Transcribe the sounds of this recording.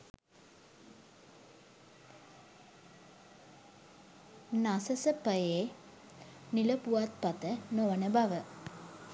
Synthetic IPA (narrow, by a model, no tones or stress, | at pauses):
nasɐsɐpəjeː | nilɐpuʋat̪̚pɐt̪ənoʋɐnəbɐʋə